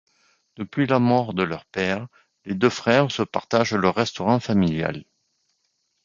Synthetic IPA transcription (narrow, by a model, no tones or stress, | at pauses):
d̪̥əpɥilamɔʁd̪əlœʁpɛʁ | led̪øfχɛʁsəpaʁt̪aʒlœʁːɛst̪ɔʁɑ̃familja̰l